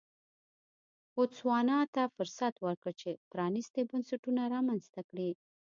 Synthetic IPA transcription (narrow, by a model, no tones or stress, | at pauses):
ʊt͡swɑnɑt̪afʊɾsat̪wəɾkət͡ʃepɾɑnist̪ebansaʈunaɾɑmanzt̪akɽi